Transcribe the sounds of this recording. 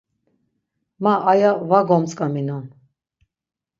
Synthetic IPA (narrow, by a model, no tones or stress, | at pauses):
maʔːjavaɡɔmt͡sʼkʼaminɔn